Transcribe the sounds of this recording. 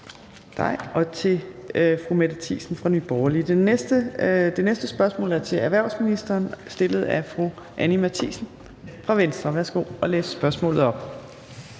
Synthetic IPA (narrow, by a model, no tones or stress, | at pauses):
d̥ɑ̈ɪɒ̽t͡sʰe̝fʁumæd̥ət͡sʰḭːsn̩fʁɑ̈nyːb̥ɒʊɐlid̥eesd̥əd̥e̝nesd̥əsb̥ɶɐsmɔ̰̽ːlæɐt͡sʰe̝æɐʋæɐʊsminisd̥ɐːnsd̥e̝lð̞̩ˠæfʁu | ʔænimæt͡sʰḭsn̩ | fʁɑ̈ʋensd̥ʁɐʋæɐsɡ̥o̝̰ːɒ̽lḛːssb̥ɶɐsmɔ̰ːlð̩ˠɒ̽b̥̚